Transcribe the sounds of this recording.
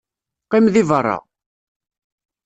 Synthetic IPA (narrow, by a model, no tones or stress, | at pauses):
qimðivərˤːɑ̰